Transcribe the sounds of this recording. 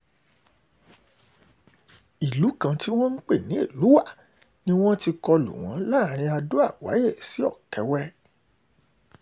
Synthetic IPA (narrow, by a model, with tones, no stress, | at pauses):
i˨lu˨˦kã˧ti˦w̃ɔ̃˦n̩˦k͡pe˦˨nĩ˨˦e˦˨lu˨˦wa˦˨ | nĩ˦w̃ɔ̃˦ti˧kɔ˧lṵ˨w̃ɔ̰̃˨˦la˦˨ɾ̃ĩ˧a˧do˦a˦˨wa̰˨˦je˦˨si˨˦ɔ˦˨kɛ˧˦wɛ˦